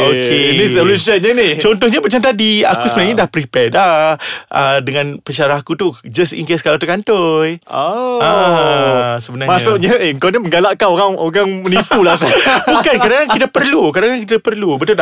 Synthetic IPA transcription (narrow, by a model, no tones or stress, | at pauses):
okʰenisəlusiənɲanit͡ʃɔnt̪ɔhɲamat͡ʃamt̪adia̰kusəbənarɲadahpɾipɛdlaʔədəŋãnpəʃaɾahkut̪ud͡ʒastḭŋkiskalat̪əkant̪ojaa | səbənaɾmasuʔɲaəŋkawnaməŋɡalaʔkanoɾaŋoɣaŋmənipulasabukankadaŋaŋit̪apərlukadaŋaŋkit̪apərlubət̪ul